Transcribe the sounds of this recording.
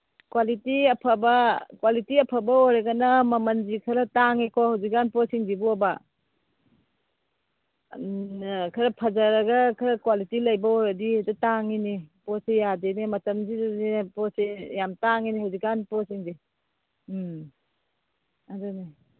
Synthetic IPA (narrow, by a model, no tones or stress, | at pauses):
kwalitiɐpʰɐbɐkwalitiɐpʰɐbɐɔɾeɡɐnɐmɐmɐnzikʰɐɾɐtaŋikʰɔhawzik̚anpɔsiŋzibuɔba | kʰɐɾɐpʰɐzɐɾɐɡɐkʰɐɾɐkwalitilɐjbɐɔɾɐdiedɐtaŋinipɔsejadenemɐtɐmzizzipɔsejamtaŋiniɦawzik̚ːanpɔsiŋzi | aduni